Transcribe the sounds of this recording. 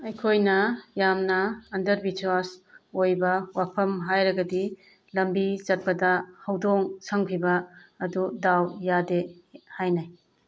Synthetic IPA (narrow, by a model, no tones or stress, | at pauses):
ɐjkʰojnɐjamnɐːndɐɾbit͡ʃwasojbɐwapʰɐmɦajɾɐɡɐdi | lɐmbizɐt̚pɐdɐhɐwdoŋsɐŋpʰibɐːdudawjadehajnaj